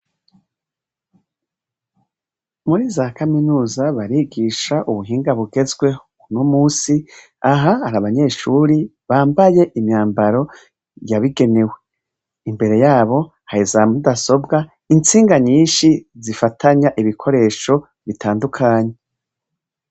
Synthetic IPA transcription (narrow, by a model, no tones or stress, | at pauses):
muɾiːzakaminuːzaβaɾiɡiʃaʔuβuɦiːŋɡaβuɡe̞zɡwe̞ | unomuːsi | aɦahaɾaβaɲe̞ːʃuːɾi | βaːmbaje̞ʔimɲaːmbaɾo̞ | jaβiɡe̞ne̞we̞ | imbe̞ɾe̞jaːβo̞ | haizamudaso̞bɡa | int͡siːŋɡaɲiːʃizifatʰaɲaʔiβikʰo̞ɾe̞ːʃo̞ | βitʰaːndukʰaːɲe̞